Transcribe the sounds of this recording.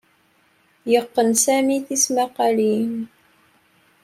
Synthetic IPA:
jɑqːənsaːmiːθɪsmaqɑliːn

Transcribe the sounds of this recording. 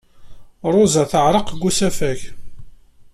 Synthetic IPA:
ɾˤʊzaθəʕɾˤəqɡʷːusæfæç

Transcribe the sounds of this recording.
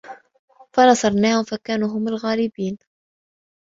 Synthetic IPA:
fanɑsˤɑɾˤnaːhʊmfakaːnuːɦʊmalɣaːlɪbiːn

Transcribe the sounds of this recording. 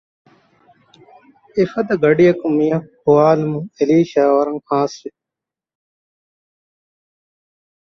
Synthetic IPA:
efɐd̪ɐɡɐɖijɐkumijɐ̃huwaːlmũeliːɕaːwɐɾɐŋhãːsɾi

